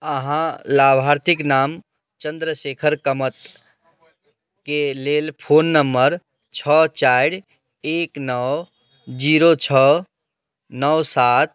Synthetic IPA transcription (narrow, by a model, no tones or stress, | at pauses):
əɦãlabʱaɾt̪ʰiknam | t͡ʃənd̪ɾəsekʰəɾkəmət̪ | kelelpʰonːəmbəɾ | t͡ʃʰət͡ʃajɾ | eknəw | d͡ʒiɾot͡ʃʰə | nəwsat̪̚